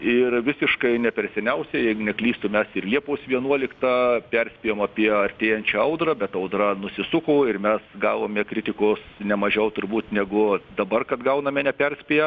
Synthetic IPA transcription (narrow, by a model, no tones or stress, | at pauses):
ɪrʋʲɪsʲɪʃkɐɪnʲɛpʲɛɾʲsʲɛnʲɛʊsʲɛjɛɪɡʊnʲɛklʲiːst̪ʊmʲɛsɪrlʲiɛpoːsʋʲiɛnuɔlʲɪkt̪ɑpʲɛrʲsʲpʲijoːmɑːpʲiɛɐrʲt̪ʲeːjɛnʲt͡ʃʲɛɐʊd̪rɐbʲɛt̪ɐʊd̪rɐnʊsʲɪsʊkoːɪrmʲɛsɡɑːʋoːmʲɛkɾʲɪt̪ʲɪkoːsnʲɛmɐʒʲɛʊt̪ʊɾbuːt̪nʲɛɡʊd̪ɐbɐrkɐt̪ɡɐʊnɐmʲɛnʲɛpʲɛrʲsʲpʲijɛ